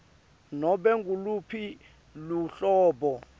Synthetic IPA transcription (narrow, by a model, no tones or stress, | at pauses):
nɔɓɛŋɡʱulupʰi | luɬɔːɓɔ